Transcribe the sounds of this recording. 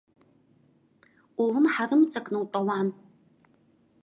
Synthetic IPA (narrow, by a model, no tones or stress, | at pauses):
ʔʷulɨmħarɨmt͡sʼɐkʼnɨwtʼɐwɑːn